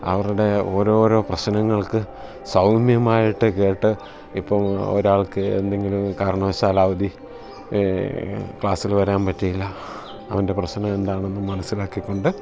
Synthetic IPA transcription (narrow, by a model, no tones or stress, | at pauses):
ɐ̰ʋɐruɽe̞o̞ːɾo̞ːɾo̞ːprɐɕnɐŋːɐɭkɨ | sɐwmjɐmaːjiʈːɨke̞ːʈːɨ | ipːɐmo̰ɾaːɭkɨe̞̰nd̪e̞ŋɡilumkaːɾɐɳɐɐsaːlaːʋɐd̪ʱi | kɭaːsilʋɐɾaːnpɐtːijilːɐː | ʋɐnde̞prɐɕnɐme̞nd̪aːɳe̞nːɨmɐnɐsːilaːkːikːo̞ɳɖɨ